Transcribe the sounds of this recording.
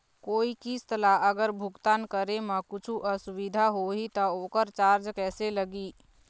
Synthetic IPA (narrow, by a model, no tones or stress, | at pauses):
koːikist̪əlaɐɡəɾbʱʊɡt̪aːnkəɾemãkʊt͡ʃʰuʔɐsʊwɪd̪ʱaɦoɦit̪ɐoːkəɾt͡ʃaːɾd͡ʒkɛːseləɡiː